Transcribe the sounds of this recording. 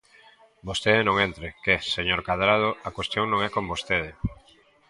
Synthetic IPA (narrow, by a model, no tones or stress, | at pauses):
bost̪eðɪnõŋent̪ɾɪkeseɲoɾkaðɾað̞oakwest̪joŋnõŋɛkombost̪eðɪ